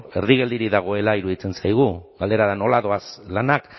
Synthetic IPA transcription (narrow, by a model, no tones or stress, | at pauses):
e̞ɾðiɣ̞e̞ld̪iɾiðaɣ̞o̞e̞laiɾuðit͡se̞nsajɣ̞uɡale̞ɾaðano̞laðo̞aslanak